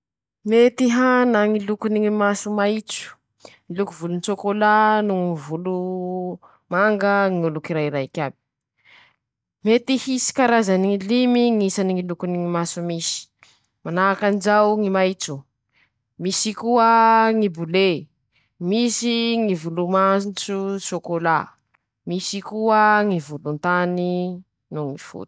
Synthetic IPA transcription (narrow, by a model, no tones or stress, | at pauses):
met̪iɦanaŋilukuniŋimasumajt͡su̥ | ŋilukuvulunt͡sokolanuŋivulu | maŋɡəŋiulukiɾajiɾajkʲabi̥ | met̪ihisi̥kaɾazaniŋilimiŋisaniŋilukuniŋimasumisi̥ | manaːkand͡ʒawŋimajt͡su | misikuəŋibule | misiŋivulumat͡susokola | misikuəŋivulunt̪ani | nuŋifṵt̪u̥